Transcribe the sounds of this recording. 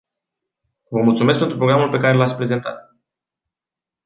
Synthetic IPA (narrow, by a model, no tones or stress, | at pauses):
vəmult̪sume̞s̬kpet̪ɾupɾo̞ɡɾamulpe̞kaɾe̞lat̪sʲpɾe̞ze̞nt̪a̰t̪